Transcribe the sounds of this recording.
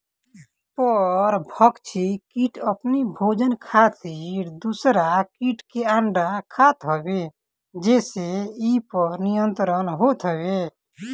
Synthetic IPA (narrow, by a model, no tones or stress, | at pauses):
pəɾbʱəkt͡ʃʰikiʈəpnibʱod͡ʒənkʰat̪iɾd̪usɾakiʈkeaɳɖakʰat̪ɦəbe | d͡ʒeseipəɾnijənt̪ɾənɦot̪ɦɔbe